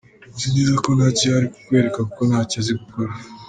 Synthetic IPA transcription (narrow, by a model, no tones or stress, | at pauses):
zidizakonacihaɾikukwe̞ːɾekakukonaːcaziɡukoɾa